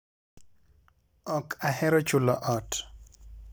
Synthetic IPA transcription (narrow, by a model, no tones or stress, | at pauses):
ɔkʰahɛɾɔt͡ʃulɔʔɔt